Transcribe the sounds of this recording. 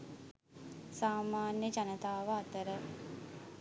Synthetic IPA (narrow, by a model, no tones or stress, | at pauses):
saːmaːnjəd͡ʒanət̪aːʋəːt̪əɾə